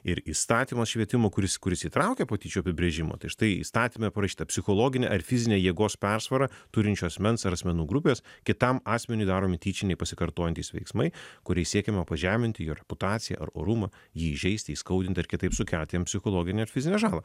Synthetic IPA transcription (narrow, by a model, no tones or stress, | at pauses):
ɪɾiːst̪ɑːt̪ʲiːmɐsʃʲʋʲiɛt̪ʲɪmoːkʊɾʲɪskʊɾʲɪsiːt̪ɾɐʊkʲepoːt̪ʲiːt͡ʃʲuːɐpʲɪbʲɾʲeʒʲɪmo̰ːt̪ɐɪʃt̪ɐɪḭst̪ɑːt̪ʲiːmʲɛpɐɾɐʃʲiːt̪ɐpʲsʲɪxoːlˠoːɡʲɪnʲɛ̰ʔɐɾfʲɪzʲɪnʲeːjiɛɡoːspʲɛɾsʋɐɾɐt̪ʊɾʲɪnʲt͡ʃʲuɐsʲmʲɛnsɐɾɐsʲmʲɛnuːɡɾʊpʲeːskʲɪt̪ɐmɑːsʲmʲɛnʲʊɪd̪ɑːɾoːmʲɪt̪ʲiːt͡ʃʲɪnʲɛɪpɐsʲɪkɐɾt̪oːjɛnt̪ʲiːsʋʲɛ̰ɪksmɐɪkʊɾʲɛɪsʲiɛkʲɛmɛpɐʒʲæːmʲɪnʲt̪ʲɪjoːɾʲɛpʊt̪ɑːt̪sʲɪjɛ̰ʔɐ̰ɾo̰ːɾumɐ | jiːiʒʲɛɪsʲt̪ʲɪiːskɐʊd̪ʲɪnt̪ʲɐɾkʲɪt̪ɐɪpsʊkʲɛlʲt̪ʲɪjɛmpʲsʲɪxoːlˠoːɡʲɪnʲɛɐɾfʲɪzʲɪnʲɛːʒɑːlˠɐ